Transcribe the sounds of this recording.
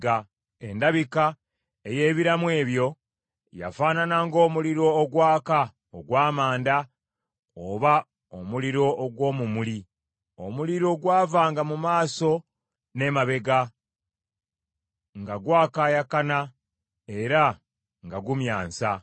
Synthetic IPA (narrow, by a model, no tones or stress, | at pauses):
a | e̞ndaβika | ejeːβiɾamwe̞ːβjo̞ | ja̰faːnanaŋɡo̞ːmuliɾo̞ːɡwaːka | oɡwaːmaːnda | oβa | omuliɾo̞ʔːɡwo̞ːmumuli | o̞̰muliɾo̞ɡwaːvaːŋɡamumaːso̞ | ne̞maβe̞ɡa | ŋɡaɡwaːkajakana | e̞ɾa | ŋɡaɡumjaːnsa